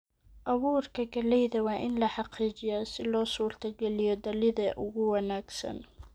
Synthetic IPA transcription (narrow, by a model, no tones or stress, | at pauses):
ʔɐwuːrkʰɐɡɐlɛjðɐwɑːʔɪnlɐħɑqiːt͡ʃɪjaːsɪlɔːsuːrt̪ʰɐɡɛlɪjɔd̪ɐlɪðɐʔʊɣʊwɑnaːɡsɐ̰n